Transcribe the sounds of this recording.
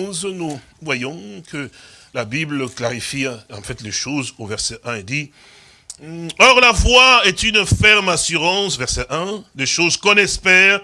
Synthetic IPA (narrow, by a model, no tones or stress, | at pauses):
znu | vwajɔ̃kʰəlabibləklaʁifiɑ̰̃fɛt̪leʃozovɛʁsɛʔɛ̃ɛd̪i | ɔʁlavwaɛt̪ynfɛʁmasyʁɑ̃svɛʁsɛʔɛ̃d̪eʃozkɔ̃nɛspɛːʁ